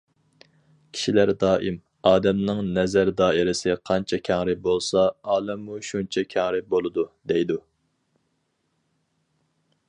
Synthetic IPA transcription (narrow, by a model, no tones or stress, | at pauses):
kʲʰi̥ʃilæɾd̪ɑːʔɪm | ɑːd̪ɛmnɨŋnɛzæɾd̪ɑːɪɾɪsɪqʰɑnt͡ʃʰɛkʲʰæŋɾɪbolˠsɑɑːlˠɛmːuʃunt͡ʃʰɛkʲʰæŋɾɪbolˠɨd̪ud̪ɛjd̪u